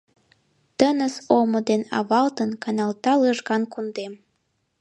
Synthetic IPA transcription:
t̪ənəsomod̪enɑ̰βɑlt̪ənkɑnɑlt̪ɑləʒɣɑnkund̪em

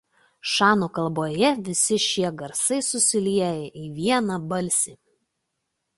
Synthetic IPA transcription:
ʃɑːnuːkɐlˠboːjɛʋʲɪsʲɪʃʲiɛɡɐɾsɐɪsʊsʲɪlʲiɛjɛʔiːʋʲiɛnɐbɐlʲsʲiː

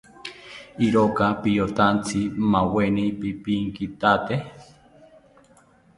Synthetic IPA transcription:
iɾokapijot̪ant͡simawenipipiŋkit̪at̪e

